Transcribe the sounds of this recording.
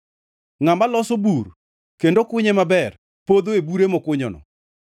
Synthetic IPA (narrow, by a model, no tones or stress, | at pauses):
ŋambalɔsobur | kendokʊɲemabɛr | pod̪oebuɾemɔkʊɲɔnɔ̰